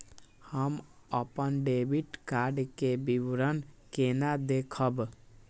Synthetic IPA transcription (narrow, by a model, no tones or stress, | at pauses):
həm | əpənɖebiʈkaɾɖkebiwɾənkenad̪ekʰəb